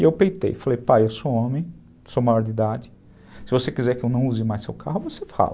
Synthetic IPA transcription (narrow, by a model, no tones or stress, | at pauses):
ɪewpejt̪ḛjfalejpajewsoõmẽj̃ | somajɔɾd͡ʒ̪ɪid̪ad͡ʒɪ | sɪvosekizɛɾkɪewnɐ̃w̃uzɪmajssewkaɦʊvosefa̰lɐ